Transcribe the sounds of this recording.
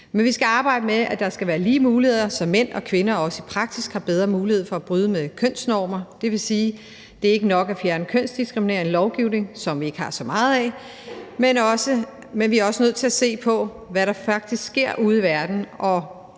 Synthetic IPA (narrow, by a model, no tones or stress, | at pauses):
menʋisɡ̥æɑ̈ːb̥ɑ̈ɪ̰d̥əmeæd̥ɑ̈sɡ̥æʋæːɐliːmuːlihe̝ð̰ˠɐsɒ̽mːen̰ɒ̽kʰʋenɐɒ̽səipʰʁɑ̈ɡ̥sisɡ̥hɑ̈b̥eð̞ˠʁɐmuːlihe̝ð̞̰ˠfɒ̽æb̥ʁyð̞ˠəmekʰøn̰snɒːmɐd̥e̝ʋe̝siː | d̥e̝æɐe̝ɡ̥ənɒ̽ɡ̥æfjæɐnəkʰøn̰sd̥isɡ̥ʁimine̝ːɐn̩lɒʊɡ̥iʊ̰ne̝ŋsɒ̽mʋie̝ɡ̥əhɑ̈sɒ̽mɑ̈ːð̞̩ˠɛ | menɒ̽sə | menʋiæɐɒ̽sənøð̞̰ˠt͡sʰe̝læse̝̰ːpʰɒ̽ | ʋæɾɑ̈fɑ̈ɡ̥̚d̥isɡ̥sɡ̥e̝ɐ̰ʔuð̩ˠiʋæɐd̥n̩ʔɒ̽